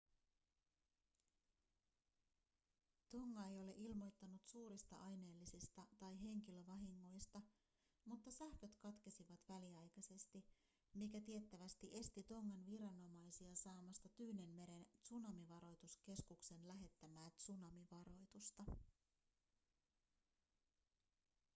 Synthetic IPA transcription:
t̪o̞ŋːɑe̞jo̞le̞ʔilmo̞jt̪ːɑnut̪suːɾist̪ɑ̰ʔɑjne̞ːlːisist̪ɑt̪ɑjɦe̞ŋkilø̞ʋɑɦiŋːo̞jst̪ɑ | mut̪ːɑsæhkø̞t̪kɑt̪ke̞siʋɑt̪ʋæliɑjkɑse̞st̪i | mikæt̪ie̞t̪ːæʋæst̪iʔe̞st̪it̪o̞ŋːɑnʋiɾɑnːo̞mɑjsiɑsɑːmɑst̪ɑt̪yːne̞nme̞ɾe̞nt̪sunɑmiʋɑɾo̞jt̪uske̞skukse̞nlæɦe̞t̪ːæmæːt̪sunɑmiʋɑɾo̞jt̪ust̪ɑ

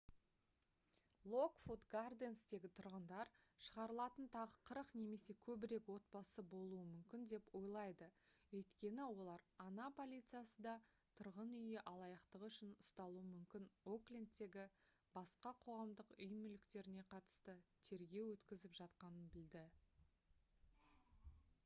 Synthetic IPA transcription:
lˠo̞kfut̪ɡard̪ensd̪e̞ɡʲɪt̪ʰʊɾʁənd̪ɑɾʃəʁɑɾəlˠɑt̪ənt̪ʰɑʁəqʰəɾəqne̞me̞se̞kʲʰɵbɪɾe̞kwo̞t̪̚pɑsəbo̞lˠuəmʏmkʲɪnd̪e̞po̞jlˠɑjd̪əwɵjt̪kʲe̞nɪwo̞lˠɑɾɑnɑpʰo̞lʲijt̪sɨjasəd̪ɑ | t̪ʰʊɾʁənʏjɪʔɑlˠɑjɑqt̪əqʏʃɪnʊst̪ɑlˠuwəmʏmkʲɪno̞klʲend̪t̪ːe̞ɡʲɪ | bɑsqɑqʰo̞ʁɑmd̪əqʏjmɪlɪkt̪e̞ɾɪne̞qʰɑt̪ə̥st̪ət̪ʰe̞ɾɡʲe̞wwɵt̪kʲɪzɪpʒ̥ɑt̪qɑnənbɪld̪ɪ

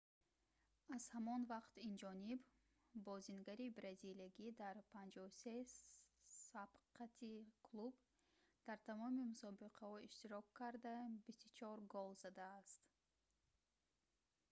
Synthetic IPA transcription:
az̥hamɔnvaqt̪ind͡ʒɔnib | bɔzinɡaɾibɾazilaɡid̪aɾpʰand͡ʒɔuse̞ | sab̥qʰat̪ʰikʰlˠub | d̪̥aɾt̪ʰamɔmimusɔbiqʰahɔiʃt̪iɾɔkʰːaɾd̪abist̪ut͡ʃʰɔɾɡɔlˠzad̪aːst̪

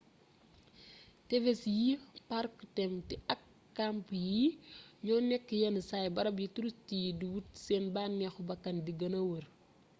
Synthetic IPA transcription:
tɛvesjiparktɛmtiʔɐkː | ampjiɲɔːnɛkːjɐnsajbɐɾɐbjituɾustijidiwutsɛnbaːnːɛxubɐkːɐndiɡɐnɐwɐɾ

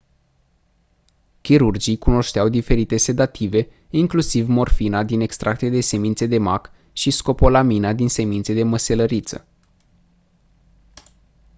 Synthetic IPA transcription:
kʲiɾurd͡ʒijkuno̞ʃt̪eawd̪ife̞ɾit̪e̞se̞d̪at̪ʰive̞ | iŋklusivmo̞rfinad̪ine̞kst̪ɾʔak̚t̪ed̪e̞se̞mint̪se̞d̪e̞mak | ʃisko̞po̞laminad̪inse̞mint̪se̞d̪e̞məse̞ləɾit̪sə̰

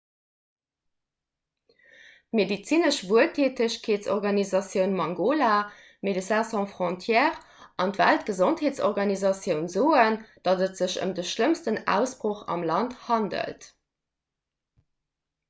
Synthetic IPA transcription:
tmedit͡sinəʃvuəltʰeːtəɕkʰeːtt͡sɔʁɡɑnizɑsjəʊnmɑŋɡoːla | medəsæsɔ̃fʁõntʰjɛːʁ | ɑntvæ̰ltɡ̥əzontheːt͡sɔʁɡɑnizɑsjəʊnzoːənd̥ɑdətz̥əɕə̰mdəʃləmstənæ̰ʊsb̥ʁoχɑ̰mlɑnthɑndə̰lt

